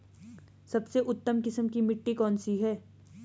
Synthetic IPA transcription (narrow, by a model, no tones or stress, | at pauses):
sɐbseʔʊt̪ːəmkɪsəmkimɪʈːikɔːnsiɦɛː